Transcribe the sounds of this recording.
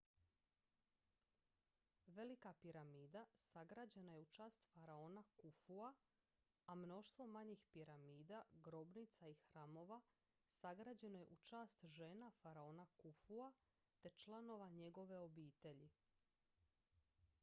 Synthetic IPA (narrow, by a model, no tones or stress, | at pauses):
ʋe̞likapiɾamiːd̪asaɡɾaːd͡ʑe̞naje̞ut͡ʃaːst̪faɾao̞ːnakufua | amno̞ʃt̪ʋo̞maɲixpiɾamiːd̪aɡɾo̞bnit̪saixɾaːmo̞ʋa | saɡɾad͡ʑe̞no̞je̞ʔut͡ʃaːst̪ʒeːnafaɾao̞ːnakufua | t̪e̞t͡ʃlˠano̞ʋaɲe̞ɡo̞ʋe̞o̞biːt̪e̞ʎi